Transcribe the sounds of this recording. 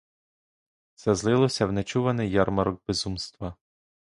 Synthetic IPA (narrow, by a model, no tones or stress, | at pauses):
t̪sɛzlˠɪlˠɔsʲɐwnɛt͡ʃuʋɐnɪjjːɑɾmɐɾɔɡ̚bɪzumst̪ʋɐ